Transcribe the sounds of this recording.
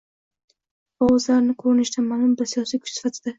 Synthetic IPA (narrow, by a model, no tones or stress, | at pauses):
ɒwʊzlaɾnɪkʰoɾɪnɪʃt̪ʰamalʊmbɪɾsijɒsijkʰʊ̥t͡ʃsɪ̥fat̪ʰɪd̪a